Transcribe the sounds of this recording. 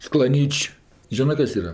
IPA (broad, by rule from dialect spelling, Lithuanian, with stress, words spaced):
sklˠɐˈnʲiːt͡ʃʲ ˈʒʲɪnɜ ˈkɐs ˈiːrɐ